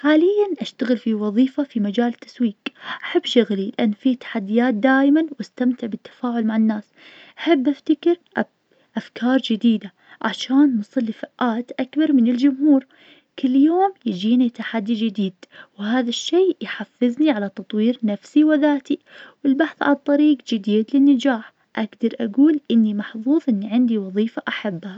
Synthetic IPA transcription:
ħaːlɪjːanʔaʃt̪aɣɪlfiwɑðˤiːfafimad͡ʒaːlt̪ʰːḁswiːqʔaħabːʃʊɣlilɪʔanːfit̪ḁħad̪ːɪjaːt̪̚d̪aːjmanwʔast̪amt̪ɪʕbɪt̪ːḁfaːʕʊlmaʕanːaːs | ʔaħɪbːʔaft̪akɪɾʔ | ʔafkʰɑːɾˤd͡ʒɪd̪iːd̪a | ʕa̰ʃaːnːɨsˤɨlːifaʔʔaːt̪ʔakbɑɾˤmɪnɪld͡ʒʊmɦuːɾ | kɪlːjoːmjɪd͡ʒiːnit̪aħad̪ːid͡ʒɪd̪iːd̪whaːðaʃːeːjħafːɪzniʕalat̪ɑt̪ˤwiːɾnafsiwɪðaːt̪iwɪlbaħθʕa̰lɑt̪ˤːɑɾiːɡd͡ʒɪd̪iːd̪lɪnːad͡ʒaːħ | ʔaɡd̪ɑɾˤʔaɡuːlʔɪnːimɑħðˤuːðˤʔɪnːiʕɪnd̪iwɑðˤiːfaʔaħabːha

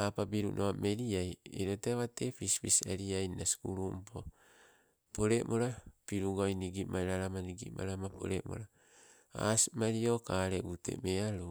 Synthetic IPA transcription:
apabiɾunʔoame̞ɾiajḛɾoteaβatepispisa̰ɾiajnasi̥kṵɾumpʰo | poɾemoɾapiɾuɡojniɡimʔajɾaɾamaniɡḭma̰ɾamapʰo̰ɾḛmo̰ɾa | a̰simaɾiokaɾeute̞̰meaɾu

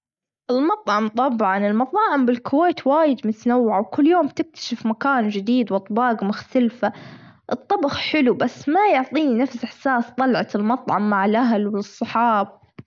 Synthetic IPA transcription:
ʔɪlmɑt̪ˤʕɑmt̪ˤɑbʕɑnɪlmɑt̪ˤɑːʕɪmbɪlkʊweːt̪waːjɪd̪mʊt̪anawːʕawkʊlːjoːmbt̪ɪk̚t̪ʰḁʃafmakaːnd͡ʒɪd̪iːd̪wɑt̪ˤbɑːɡmaxt̪alfa | ʔɨt̪ˤːɑbɑxħɪlubasːmajʊʕt̪ˤiːninafsʔɪħsaːst̪ˤɑlʕɑt̪ɪlmɑt̪ˤʕɑmːaʕɪlʔaɦlwɪɨsˤːɑħɑːb̚

